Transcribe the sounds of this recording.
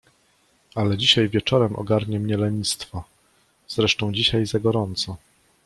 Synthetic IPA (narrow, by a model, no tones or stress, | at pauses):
alɛd͡ʑiɕajvʲjɛt͡ʂɔɾɛmʔɔ̰ɡaɾɲɛmɲɛlɛɲist̪fɔ | z̥ɾɛʂt̪ɔ̃w̃d͡ʑiɕajzaɡɔɾɔnt̪sɔ